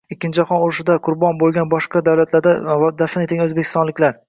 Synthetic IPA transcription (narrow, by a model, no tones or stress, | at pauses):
ɪkʲːɪnt͡ʃaχɒnʊɾɪʃɪd̪aqʰʊɾbɒnbolˠɡʲanbɒʃqɑd̪awlat̪ʰlaɾd̪ad̪afnet̪ʰɪɡʲanɵzbekʲʰɪ̥st̪ɒnlɪkʲlaɾ